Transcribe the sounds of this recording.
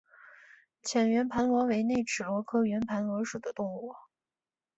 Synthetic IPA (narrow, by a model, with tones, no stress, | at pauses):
t͡ɕʰjɛ˨˩nɥɛ˧˥npʰa˧˥nlwɔ˧˥we˧˥ɪne˥˩ɪʈ͡ʂʰɻ̩˨˩wɔ˧˥kʰɤ˥ɥɛ˧˥npʰa˧˥nlɤ˧˥ʂu˨˩d̪ə˦t̪ʊ˥˧ŋɔ˥˩